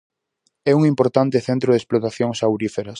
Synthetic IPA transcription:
ɛuŋimpoɾt̪ant̪ɪθɛnt̪ɾoðesplot̪aθjoŋsawɾifeɾɐs

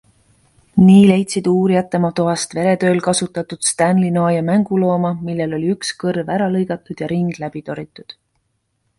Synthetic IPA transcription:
niːle̞jt̪ʲsid̪uːɾijɑt̪ːˑe̞mɑt̪oɑst̪ve̞ɾe̞t̪ø̞ːlkɑsut̪ːˑɑt̪ud̪̥st̪ænlinoɑjɑmæŋɡ̥ulo̞ːmɑmilːe̞lo̞lʲiykskɤrvæɾɑlɤjɡ̥ɑt̪ːˑud̪̥jɑɾiŋɡ̥læb̥it̪o̞ɾit̪ːˑud̪̥

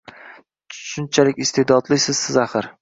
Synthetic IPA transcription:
ʃʊnt͡ʃʰalɪkʲɪst̪e̞d̪ɒd̪lɪsɪz̥sɪzaχɪɾ

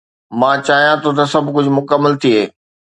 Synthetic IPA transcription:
mãːt͡ɕaːɦijãt̪ʰot̪̬ɐsɐbʱkʊd͡ʑʱʊmʊkəmːəlt̪ʰiɦeː

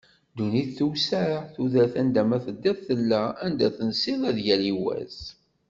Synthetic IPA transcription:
d̪uniθːuwsæɾθuðæθænd̪æmæθəd̪ːæθθəlːæænd̪æθənsiðæðʝæliwæ̰z̥

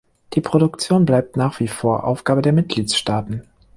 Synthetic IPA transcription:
d̥iːpʁ̥oɾʊkt͡sjoːnblaɪp̚tnaːχv̥iːfoːɐʔa̰ʊfɡ̥aːbədeːɐmɪt̚ɡ̥liːtʃtaːtn̩

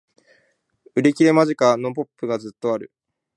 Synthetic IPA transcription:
ɯ̟ɾe̞kʲiɾe̞maʑikano̞po̞pːɯ̟ɡazɨt̪ːo̞aɾɯ̟̰

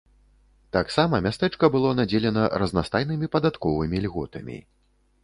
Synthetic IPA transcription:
t̪aksamɐmʲast̪ɛt͡ʂkɐbɨlˠɔnad͡zʲɛlʲɛnɐɾɐznast̪ajnɨmʲipɐd̪at̪kɔvɨmʲilʲɣɔt̪ɐmʲḭ

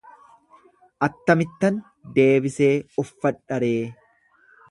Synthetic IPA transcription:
ʔɐt̪ːɐmɪt̪ːɐn | d̪e̞ːbɪse̞ːɔfːɐᶑɐɾe̞ː

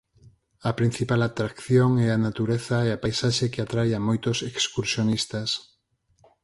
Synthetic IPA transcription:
ɐpɾin̟θipalat̪ɾakθjoŋɛanat̪uɾeθaeapajsaʃekeat̪ɾajamojt̪osekskuɾsjonist̪as

